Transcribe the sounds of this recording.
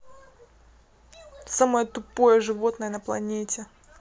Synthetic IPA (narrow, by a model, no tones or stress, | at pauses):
saməjət̪ʊpojəʐɨvo̞t̪nəjənəplˠɐ̰nʲetʲɪ